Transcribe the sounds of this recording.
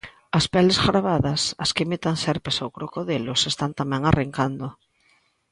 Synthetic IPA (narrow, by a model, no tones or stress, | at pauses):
aspɛlesɣɾaβaðasaskemit̪aŋsɛɾpesawkɾokoðelosest̪ant̪amɛ̃ŋareŋkand̪o